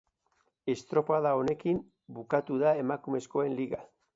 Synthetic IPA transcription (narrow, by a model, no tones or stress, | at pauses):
e̞st̪ɾo̞paðao̞ne̞kim | bukat̪uðae̞makume̞sko̞e̞nliɣa